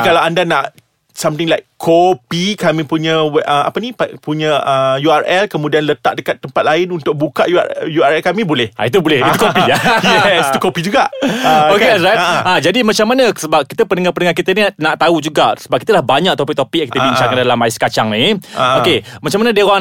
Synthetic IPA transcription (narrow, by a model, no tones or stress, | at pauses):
kalaandanaʔ | samt̪ɪŋlakʰopikamĩpuɲə̃wɛʔəa̰pənĩpapuɲə̃əjuarɛlkəmũdianlət̪a̰ʔdəkat̪ːəmpat̪̚laɪnunt̪ʊk̚bukaʔjua̰juaɾɛlkamĩbolɛhʔa̰it̪̬ubolɛhit̪ukopiajɛst̪ukopid͡ʒuɡaʔokeɛs̬ɾajad͡ʒadimãt͡ʃamːanəsəbap̚kit̪əpənəŋapənəŋakit̪əninaʔt̪aud͡ʒuɡaʔsəbap̚kit̪alahbaɲak̚t̪ɔpɪk̚t̪opɪk̚kiəbiɲt͡ʃaŋandalamaɪskat͡ʃaŋniokemat͡ʃamanadiəwa